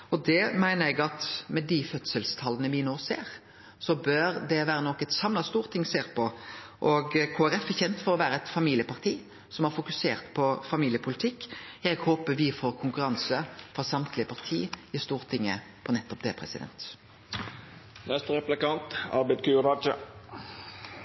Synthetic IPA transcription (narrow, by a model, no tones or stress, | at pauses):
ɔd̪ɛmæɪnəɾɛɡɑt̪mɛd̪ɪfœt̪səlst̪ʰɑlːənəʋɪnoːsḛːɾ | sɔbøːɾd̪ɛʋæːɾənɔkːɛt̪sɑmlɑst̪uːɾt̪ʰɪŋːseːɾpʰɔʔɔɡkʰoːæɾɛfɛçɛnt̪fɔɾɔʋæːɾəɛt̪fɑmiːlɪəpɑʁt̪ʰiː | sɔmhɑɾfʊkʉseːʁt̪pʰɔfɑmiːlɪəpʰʊlɪt̪ʰɪkːɛɡhoːpəʋɪfoːɾkʰʊŋkʉɾɑnsəfɔʁsɑmt̪ʰlɪəpʰɑʁt̪ʰiːɪst̪uːʁt̪ʰɪŋːə̰ | pʰɔnɛt̪ːɔp̚d̪ɛ̰ːpʰʁɛ̰sɪ̰d̪ɛ̰nt̪ | nɛst̪ɾɛplɪkɑnt̪ɑ̰ɾbɛɪd̪kʰʉd̪ɑd͡ʒə